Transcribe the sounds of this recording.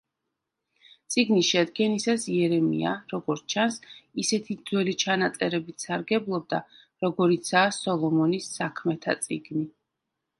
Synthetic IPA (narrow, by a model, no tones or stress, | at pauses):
t̪sʼiɡniʃɛd̪ɡɛnisasiɛɾɛmḭa̰ɾɔɡɔɾtt͡ʃʰansisɛt̪ʰid̪zwɛlit͡ʃʰanat̪sʼɛɾɛbit̪ʰsaɾɡɛblˠɔb̚d̪a | ɾɔɡɔɾit̪sʰaːsɔlˠɔmɔnisːakʰmɛt̪ʰa̰t̪sʼḭɡni